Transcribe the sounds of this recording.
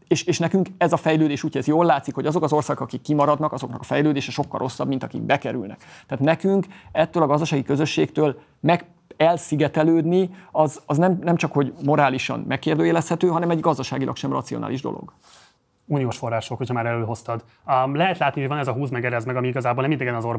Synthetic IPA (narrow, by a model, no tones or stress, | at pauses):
eːʃeːʃnɛkyŋkɛzɒfɛjløːd̪eːʃuːcʰɛzjoːlːaːt̪sikho̞ɟɒzo̞kɒzo̞rsaːɡokɒkikːimɒɾɒd̪nɒkɒzo̞knɒ̰kɒ̥fɛjløːd̪eːʃɛʃo̞kːɒ̰lro̞sːɒbmint̪ɒkḭɡ̚bɛkɛɾy̰lnɛ̰kt̪ɛaːt̪nɛkyŋkɛt̪ːøːlɒɡɒzd̪ɒʃaːɡikø̞zø̞ʃːeːkt̪øːl | mɛɡ | ɛlsiɡɛt̪ɛløːd̪niɒzɒznɛmnɛmt͡ʃɒkho̞ɟmo̞ɾaːliʃɒ̰nmʔɛkːeːrd̪øːjɛlɛsthɛt̪øːɦɒnɛmɛɟɡɒzd̪ɒʃa̰ːɡilʔɒ̰kʃɛmrɒ̰t̪siona̰ːliʒd̪o̞̰lo̰ɡ̥ | uːnijoːʃfo̞rːaːʃokhocʰɒmaːɾɛløːɦost̪ɒd̪ | lɛɦɛt̪laːt̪nihoɟɒnɛzɒɦuːzmɛɡɛɾɛzmɛɡɒmiiɡɒzaːboːlnɛmind̪ɛɡɛnɒzor